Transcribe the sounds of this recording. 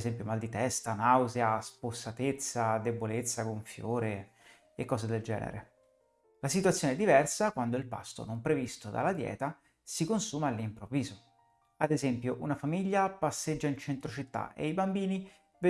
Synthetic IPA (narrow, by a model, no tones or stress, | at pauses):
zɛmpjomald̪it̪ɛst̪anawzeasposːat̪et̪sːad̪ebolet̪sːakoɱfjoːɾe | ekːɔːzed̪eld͡ʒɛ̰ːnḛɾḛ | lasit̪wat̪sjoːnɛd̪ːivɛrsakwand̪oilpa̰st̪o̰nompɾevist̪od̪a̰lːad̪jɛ̰ːt̪a | sikonsuːmaːlːimpɾovːiːzo | ad̪ezɛmpjoʔunafamiʎːapasːed͡ʒːaint͡ʃent̪ɾot͡ʃit̪ːa̰ʔḛibambiːni | v